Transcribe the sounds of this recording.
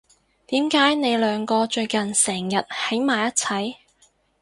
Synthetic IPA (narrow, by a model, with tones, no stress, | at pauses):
t̪iː˨˥mkaː˨˥jne˨˧jlœː˨˧ŋkɔː˧t͡ʃɵ˧ɥkɐ˨nsɛː˨˩ŋjɐ˨t̚he˨˥jmaː˨˩jɐ˥t̚t͡sʰɐ˨˥j